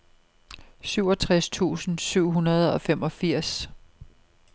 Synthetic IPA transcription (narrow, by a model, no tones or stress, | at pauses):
syʊ̰ɒ̽t͡sʰʁast͡sʰṵːsn̩syʊ̰ɦunɐð̞̩ˠɒ̽femɒ̽fiɐ̰s